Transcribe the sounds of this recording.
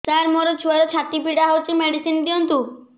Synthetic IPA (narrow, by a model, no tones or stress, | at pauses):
taɾmɔɾɔt͡ʃʰuaɾot͡ʃʰat̪ipʰiɽaɦɔwt͡ʃʰimɛɽisind̪iɔnt̪u